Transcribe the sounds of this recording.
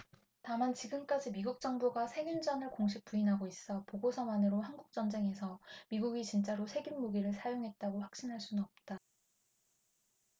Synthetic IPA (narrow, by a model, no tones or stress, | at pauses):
tamant͡ɕiɡɯmk͈ad͡ʑimiɡuk̚t͡ɕ͈ʌŋbuɡasʰeɡjund͡ʑʌnɯɭkoŋɕʰik̚p͈uinɦaɡois͈ʌpoɡosʰʌmanɯɾohanɡuk̚t͡ɕ͈ʌnd͡ʑe̞ŋe̞sʰʌmiɡuɡit͡ɕint͡ɕ͈aɾosʰe̞ɡinmoɡiɾɯɭsʰajoŋɦe̞t̚t͈aɡoɸwakɕ͈inɦaɭs͈unnʌp̚t͈a